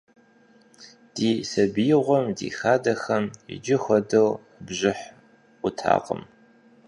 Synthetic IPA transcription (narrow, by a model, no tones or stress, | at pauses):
d̥iːsɐbijʁʷɔmdḭːxaːdɐxɐmɪ̰d͡ʒɪxʷɔdɐw | bʑɪħʷ | ʊtʰa̰ːqə̰m